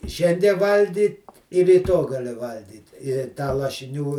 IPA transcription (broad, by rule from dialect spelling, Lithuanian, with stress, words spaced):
ɪ ˈʃʲɛnʲdʲiɛ ˈʋɐlʲɡʲiː ɪr rʲiːˈtoː ɡɐˈlʲɪ ˈʋɐlʲɡʲiːt ɪ tɑː lˠɐʃʲɪˈnʲuː